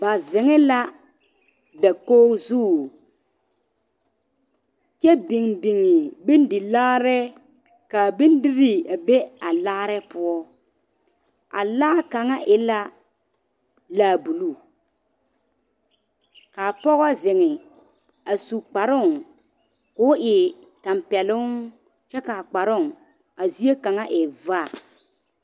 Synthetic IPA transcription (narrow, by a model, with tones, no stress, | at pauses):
ba˨zɪ˨ŋɪ˦la˦ | da˨koː˦zuː˦˨ | t͡ʃɛ˦bɪ˨ŋbɪ˨ŋɪ˨bɪ˦ndɪ˨laː˦ɾɛ˦ | ka˨bɪ˦ndɪ˦ɾi˦˨a˨be˦a˨laː˦ɾɛ˦pʊ˦ɔ˦ | a̰˨laː˦ka˨ŋa˦ʔɪ˦la˦ | laː˦˨bu˨lu˦˨ | ka˨pɔ˦ɣɔ˦zɪ˨ŋɪ˨ | a˨su˨k͡pa˨ɾʊ˦˨ŋ | kʊ˦ʔɪ˨ | ta˨mpɛ˨lʊ˦ŋ | t͡ʃɛ˦ka˨a˨k͡pa˨ɾʊ˦˨ŋ | a˨zi˦e˦ka˨ŋa˦ʔɪ˨vaː˦˨